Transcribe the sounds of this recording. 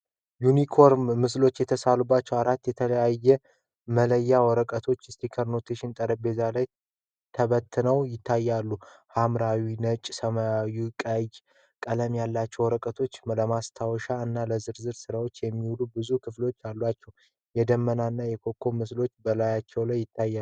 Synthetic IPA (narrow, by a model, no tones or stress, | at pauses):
junikʰo̞ɾmːɨslo̞t͡ʃːjɛt̪ʰəsalubːat͡ʃːɛwaɾat̪ːjɛt̪ʰələjajːɛ | mələjːawɔɾəkʼət̪ʰo̞t͡ʃːst̪ʰikʰəɾno̞t̪ʰeʃɪnt̪ʼəɾəbe̞zalaj | t̪ʰəβət̪ʰːɨnəwjɪt̪ʰːajːalːuhamɾawinət͡ʃʼsəmajajukʼəj | kʼələmjalːat͡ʃːɛwɔɾəkʼət̪ʰo̞t͡ʃːləmast̪ʰawɔʃaɨnːaləzɨɾzɨɾsɨɾawo̞t͡ʃːjɛmːiwulubɨzukʰɨflo̞t͡ʃːjalːat͡ʃːɛw | jɛd̪əmːənanːajɛkʰo̞kʰːo̞mɨslo̞t͡ʃːbəlajat͡ʃːɛwlajːɪt̪ʰːajːa